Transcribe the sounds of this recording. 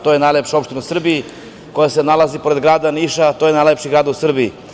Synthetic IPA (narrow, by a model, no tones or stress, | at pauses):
t̪oːjenajlepʃao̞pʃt̪inausr̩bii | ko̞jasenalazipo̞ɾed̪ɡɾaːd̪aniʃat̪ojenajlepʃiɡɾaːd̪usr̩biḭ